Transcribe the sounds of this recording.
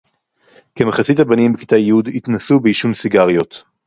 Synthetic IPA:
kemaχasithabanimbeki̥t̪ajud̪itnasubeiʃunsiɡaʁjo̞t̪

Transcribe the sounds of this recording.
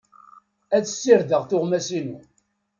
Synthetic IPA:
æt͡sə̥sːiɾðəʁθʊʁmæsinu

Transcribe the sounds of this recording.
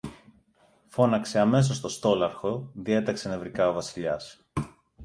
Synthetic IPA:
fo̞nɐkse̞ɐme̞s̬o̞st̪o̞st̪o̞lɐɾxo̞ðie̞t̪ɐksene̞vɾikɐo̞vɐsiʎɐs

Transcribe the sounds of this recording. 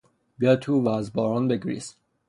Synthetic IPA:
bæt̪ʰuːvæːzbɒːɾɒːnbeɡɾḭs

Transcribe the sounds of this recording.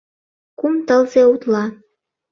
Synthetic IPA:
kumt̪əlzeut̪lɑ

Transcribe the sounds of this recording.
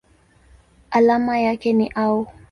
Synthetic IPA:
ʔalamajakɛniʔau

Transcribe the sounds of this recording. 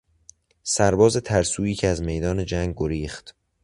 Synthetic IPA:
sæɾbɒːze̞t̪ʰæɾsuːiːcʰeæzme̞jd̪ɒːne̞d͡ʒæŋɡɡoɾiːχt̪

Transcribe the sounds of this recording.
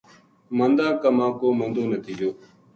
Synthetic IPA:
mənd̪aːkəmãːkoːmənd̪oːnət̪ʰiːd͡ʒoː

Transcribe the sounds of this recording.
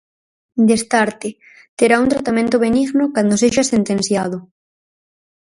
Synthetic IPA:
d̪est̪aɾt̪e | t̪eɾaunt̪ɾat̪amẽnt̪oβeniɣnokand̪oseʃasent̪ẽnθjaðʊ

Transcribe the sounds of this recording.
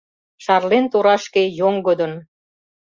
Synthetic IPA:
ʃɑrlent̪oɾɑʃkejoŋɡod̪ə̆n

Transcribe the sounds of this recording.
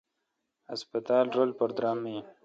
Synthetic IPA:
aspat̪ɑːlɾolpəɾd̪ɾɑːme

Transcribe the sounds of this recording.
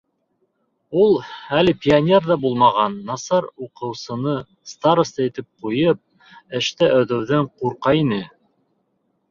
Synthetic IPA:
ulˠælɘpʲianʲerðɑbulˠmɑʁɑnːɑsɑɾuqɤ̆wsɤ̆nɤ | st̪aɾost̪ɑit̪ɘp̚qujɤp̚ | ɘ̆ʃt̪æʔæðɵ̆wðæɴquɾqɑinɘ

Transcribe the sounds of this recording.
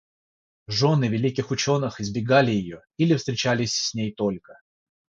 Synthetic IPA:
ʐo̞nɨvʲɪlʲikʲɪxʊt͡ɕo̞nɨxɪzbʲɪɡalʲɪjɪjo̞ | ilʲɪfst̪ɾʲɪt͡ɕælʲɪsʲsʲnʲejt̪o̞lʲkə

